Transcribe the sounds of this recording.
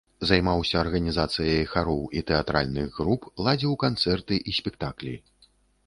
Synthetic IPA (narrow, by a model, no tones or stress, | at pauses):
zajmawsʲɐːrɣɐnʲizat̪sɨjɐjxaɾɔwit̪ɛat̪ɾa̰lʲnɨɣɣɾuplˠad͡zʲiwkant̪sɛrt̪ɨʔisʲpʲɛk̚t̪aklʲḭ